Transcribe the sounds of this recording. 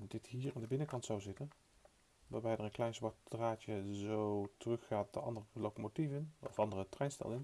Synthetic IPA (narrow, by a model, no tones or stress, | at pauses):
dɪtɦiːɹandəbɪnəkɑntsawzɪtən | ʋaːbɛjdəɹənklɛjnsʋɔt̚draːt͡ʃəzowtərɵxːaːt̚dəʔɑ̰ndərəlowkomotivənɔ̰fɑndərətrɛjnstɛ̰lɪn